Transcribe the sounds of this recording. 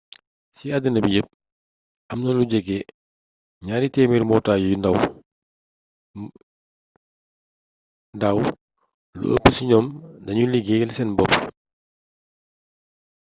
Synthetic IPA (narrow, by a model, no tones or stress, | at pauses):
siɐdinɐbijəp̚ | ɐmnɐluɟɛɡɛ | ɲaːɾitɛːmirmɔːtaːjujundɐw | ndaw | lṵʔə̰pːəsiɲɔːmdɐɲuliɡɛɡɛlsɛnbɔp